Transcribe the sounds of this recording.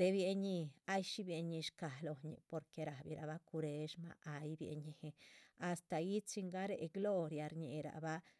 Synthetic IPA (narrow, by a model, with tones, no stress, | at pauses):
t̪e˧bje˧ɲi˧a˦jʃi˦bje˧ɲi˧ʃka˨lo˨ɲḭ˨po˧ɾke˧ɾa˨bḭ˧ɾa˧ba˦ku˧ɾe˧ʃma̰˦ʔa˧jbjḛ˨˧ɲi˧he˧a˨st̪a˨ji˦t͡si˧ŋɡa˦ɾe˨ʔɡlo˦ɾja˧ɾɲḛ˨ɾa̰˨ba˦